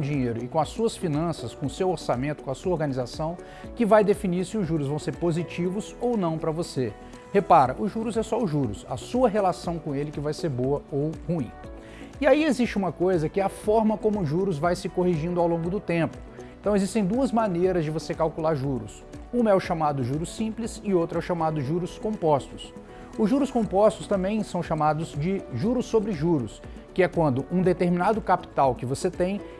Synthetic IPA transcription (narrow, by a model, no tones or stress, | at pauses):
d͡ʒĩɲejɾʊɪkõɐsuɐsfinɐ̃sɐskõʊsewoɾsamẽnt̪ʊkõɐsuɐoɾɡɐnizasɐ̃w̃ | kɪvajd̪efiniɾsɪʊzʒuɾʊzvɐ̃w̃seɾpozit͡ʃivʊzownɐ̃w̃pɾɐvose | hepaɾɐ̰ʔʊʒuɾʊzɛsɔʊʒuɾʊ̰sɐ̰suɐɦelasɐ̃w̃kõelɪkɪvajseɾboɐowhũĩ | iaiezist͡ʃɪũmɐkojzɐkɪɐfɔɾmɐkõmʊːʒuɾʊzvajsɪkoɦiʒĩnd̪ʊawlõɡʊd̪ʊt̪ẽmpʊ̥ | ẽnt̪ɐ̃w̃ezist̪ẽj̃d̪uɐzmaneɾɐzd͡ʒɪvosekawkulaɾʒuɾʊ̰s | ũmɛʊʃamad̪ʊʒuɾʊsĩplɪzɪowt̪ɾɛʊʃamad̪ʊʒuɾʊskõpɔst̪ʊ̥s | ʊzʒuɾʊskõmpɔst̪ʊst̪ɐ̃mbẽj̃sɐ̃w̃ʃamad̪ʊzd͡ʒɪʒuɾʊsːobɾɪʒuɾʊs | kɪɛkwɐ̃nd̪ʊʔũd̪et̪eɾmĩnad̪ʊkapi̥t̪awkɪvoset̪ẽj̃